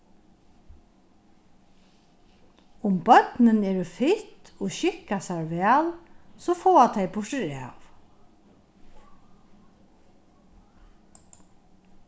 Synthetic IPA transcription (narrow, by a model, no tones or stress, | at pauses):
ʊmbœt̪nɪnɛːɾəfɪt̪ɔʃɪkasaɹʋæːlsɔːfoːat̪ʰajbʊʂɪɾa̰ːw